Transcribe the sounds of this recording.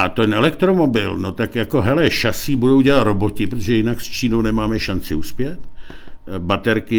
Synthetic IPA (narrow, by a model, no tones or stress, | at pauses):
at̪ojɛnɛlɛkt̪ɾomo̞bɪlnot̪akjako̞ɦɛlɛʃasiːbudowɟɛlat̪ɾobocɪpɾot̪oʒɛjɪnakst͡ʃiːnownɛmaːmɛʃant͡sɪuspjɛt̪ | bat̪ɛɾkɪ